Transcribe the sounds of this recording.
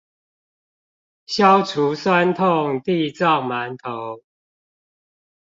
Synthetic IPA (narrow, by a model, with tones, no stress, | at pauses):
ɕjɑ˦ʊʈ͡ʂʰu˨˦swa˦nt̪ʰʊ˥˨ŋt̪i˥˧˨t͡sɑ˥˨ʊma˨˦nt̪ʰo˨˦ʊ